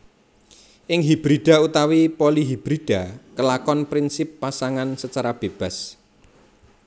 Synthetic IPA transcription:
ʔɪŋɦib̥ɾiɖ̥a̤ut̪awipoliɦib̥ɾiɖ̥a̤kəlakɔnpɾinsɪpːasaŋansət͡ʃaɾab̥eb̥a̤s

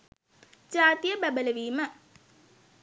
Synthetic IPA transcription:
d͡ʒaːt̪ijəbæbələʋiːmə

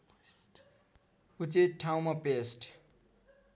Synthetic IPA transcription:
ut͡seʈʰaw̃mapesʈ

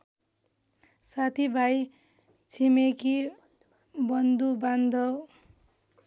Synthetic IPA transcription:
sat̪ʰibʱaj | t͡sʰimeki | bʌnd̪uband̪ʱʌw

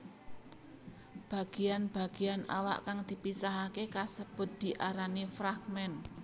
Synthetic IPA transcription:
b̥a̤ɡ̥ianb̥a̤ɡ̥iana̰wa̰ʔkaŋd̪̥i̤pisaɦakekasəb̥ʊ̤t̪̚d̪̥i̤ʔaɾanifɾaɡ̚mɛn

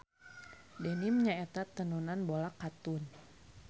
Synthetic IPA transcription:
dɛnimɲaɛt̪at̪ːənunanbolakːat̪un

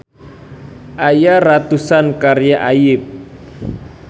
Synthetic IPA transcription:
ʔajarat̪usankarjaʔajɪp̚

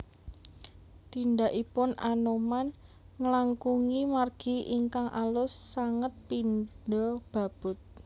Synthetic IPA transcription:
t̪indaʔipʊnʔanoman | ŋəlaŋkuŋimarɡ̥i̤ʔiŋkaŋʔa̰lʊsːaŋət̪̚pinɖɔb̥a̤b̥ʊ̤t̪̚

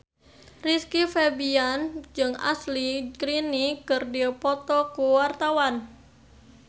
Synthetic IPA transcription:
riskifebiand͡ʒɨŋa̰slikɾinikərdipɔt̪ɔkuwart̪awan

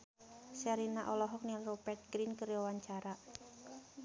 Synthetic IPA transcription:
saɾinaʔɔlɔɦɔk̚nilrɔpɛrt̪̚ɡɾinkəɾjɔwaɲt͡ʃaɾa

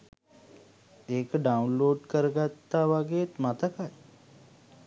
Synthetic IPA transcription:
eːkəɖaunloːɖkəɾəɡat̪ːaːʋaɡejet̪mat̪əkaj

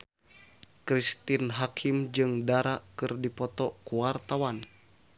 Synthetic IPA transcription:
kɾist̪inɦakʰimd͡ʒɨŋdaɾaʔkɨrdipɔt̪ɔkuwart̪awan

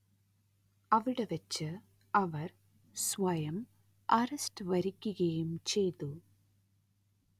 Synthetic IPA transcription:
ɐʋiɽeʋɐt͡ɕːɨ | ɐʋɐr | sʋɐjɐm | ɐrɐstɨʋɐɾikʲːuɣɐjumt͡ɕe̞jt̪u

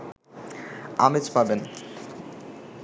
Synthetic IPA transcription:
amet͡ɕpaben

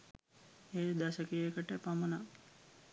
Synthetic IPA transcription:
eːd̪asəkejekəʈəpaməna

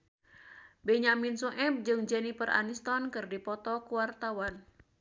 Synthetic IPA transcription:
bɛɲaminsuŋʔɛp̚d͡ʒɨŋd͡ʒɛnipərʔa̰nist̪ɔnkɨrdipɔt̪ɔkuwart̪awan

